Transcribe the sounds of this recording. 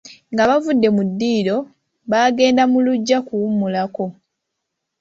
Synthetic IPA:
ŋɡaβavudːe̞mudːiːɾo̞ | βaːɡe̞ːndamuluɟːakuumulako̞

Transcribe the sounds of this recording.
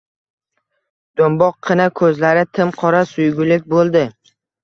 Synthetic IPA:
d̪̥ombɒqʰːɨnakʰɵzlaɾɪt̪ʰɪmqʰɒɾasʊjɡʲʊlɪk̚ʲbolˠd̪ɪ

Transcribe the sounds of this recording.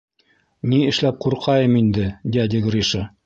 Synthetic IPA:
niɘ̆ʃlæp̚quɾqʰɑjɤmind̪ɘd̪ʲæd̪ʲɪɡrʲiʃə

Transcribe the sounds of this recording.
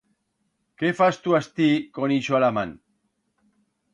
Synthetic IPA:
kefast̪uast̪ikoniʃoalaman

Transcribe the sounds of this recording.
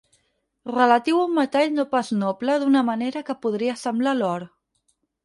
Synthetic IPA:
rələt̪iwumːət̪aʎnopaznopləðunəməneɾəkəpuðɾiəsəmblalɔɾ

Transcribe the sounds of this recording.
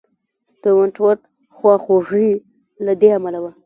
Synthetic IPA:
d̪̥əwaɳʈwaɾt̪̚ | xwɑxoʐi | lad̪eamalawa

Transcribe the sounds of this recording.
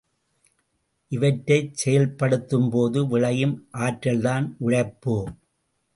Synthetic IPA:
ʔɪʋɐʈɾɐɪt͡ʃsɛjɐlpːɐɽɯt̪ːɯmpoːðɯʋɪɻɐjɯmʔaːʈɾɐld̪aːnʔʊɻɐɪpːoː

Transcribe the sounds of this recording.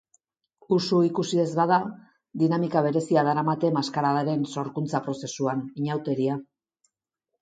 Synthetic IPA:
usuikusiðe̞zβaða | d̪inamikaβ̞e̞ɾe̞siaðaɾamat̪e̞maskaɾaðaɾe̞nso̞ɾkunt͡sapɾo̞se̞suaniɲawt̪e̞ɾia

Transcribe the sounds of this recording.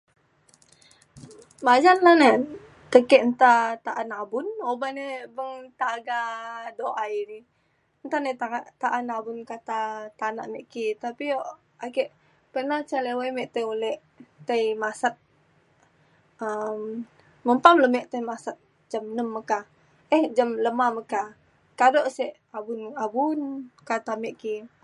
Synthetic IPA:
mad͡ʒanlane | t̪əkɛʔənt̪at̪aʔanabʊnobanebəŋt̪aɡadoʔaiɾi | ənt̪anet̪aat̪aʔanabunkat̪at̪ana̰ʔmeʔkit̪apioʔ | akɛʔ | pərnaht͡ʃalewajmɛʔt̪əolɛʔ | t̪əjmasat̪̚ | əm | məmpamləmɛʔt̪əmasat̪̚ | d͡ʒamnəmːəka | ʔɛhd͡ʒamləmaməka | kadoʔsɛʔ | abunabunkat̪amɛʔki

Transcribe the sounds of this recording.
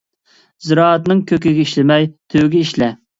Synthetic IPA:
zɨɾɑːt̪nɨŋkʲʰøkʲɪɡʲɛiʃlɪmɛjt̪ʰøwɡʲɛiʃlɛ

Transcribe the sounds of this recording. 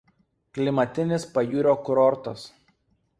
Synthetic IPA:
klʲɪmɐt̪ʲɪnʲɪspɐjuːɾʲoːkʊɾɔɾt̪ɐs

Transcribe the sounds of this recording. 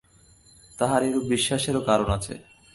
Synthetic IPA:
t̪aɦaɾeɾobiʃːaʃeɾokaɾonat͡ɕʰḛ

